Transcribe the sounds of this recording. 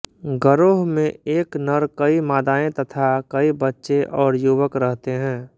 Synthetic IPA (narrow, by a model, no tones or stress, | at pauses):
ɡəɾoːɦmẽeːknəɾkəimaːd̪aːẽt̪ɐt̪ʰakɐibətːʃeʔɔːɾjuʋəkɾəɦt̪eɦɛ̃ː